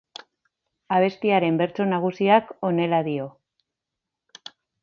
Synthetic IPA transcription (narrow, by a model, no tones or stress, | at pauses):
aβ̞e̞st̪iaɾe̞mbe̞ɾt͡so̞naɣ̞usiako̞ne̞laðio̞